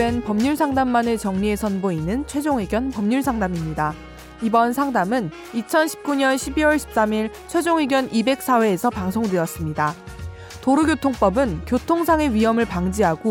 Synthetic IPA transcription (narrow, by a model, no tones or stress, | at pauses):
e̞npʌmɲuɭsʰaŋdamːanɯt͡ɕʌŋɲie̞sʰʌnboinɯnt͡ɕʰwe̞d͡ʑoŋwiɡjʌnpʌmɲuɭsʰaŋdamimɲida | ibʌnsʰaŋdamɯn | it͡ɕʰʌnɕʰi̥p̚k͈uɲʌnɕʰibiwʌɭɕʰi̥p̚s͈amiɭ | t͡ɕʰwe̞d͡ʑoŋɥiɡjʌnʔibe̞k̚s͈ʰawe̞ːsʰʌpaŋsʰoŋdweʌs͈ɯmɲida | toɾuɡjotʰoŋp͈ʌbɯnkjotʰoŋsʰaŋe̞ɥiɦʌmɯɭpaŋd͡ʑiɦaɡo